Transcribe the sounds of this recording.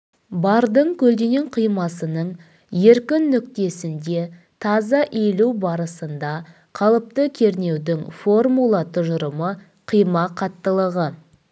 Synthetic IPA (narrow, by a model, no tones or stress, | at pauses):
bɑɾd̪əɴkʲʰɵld̪ene̞ɴqʰijmɑsənəɴ | je̞ɾkʲɪnːʏkt̪e̞sɪnd̪e̞ | t̪ʰɑzɑʔe̞lubɑɾəsənd̪ɑ | qʰɑlˠəp̚t̪əkʲʰe̞ɾne̞wd̪ɪŋfo̞rmulˠɑt̪ʰʊʒəɾəmə | qʰijmɑqʰɑt̪ːəlˠəʁə